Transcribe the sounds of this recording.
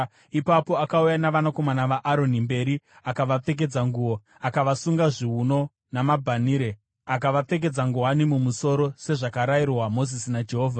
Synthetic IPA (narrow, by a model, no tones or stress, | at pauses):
ipapo̞akaujanaʋanako̞manaʋaʔaɾo̞nimbe̞ɾi | akaʋap͡fe̞k̬e̞d͡zaŋɡuo̞ | akaʋasuŋɡaʐiɦuno̞ | namabʱaniːɾe | akaʋap͡fe̞k̬e̞d͡zaŋɡuanimumuso̞ɾo̞se̞ʐakaɾairwamo̞zisinad͡ʒe̞ɦo̞ːvʱa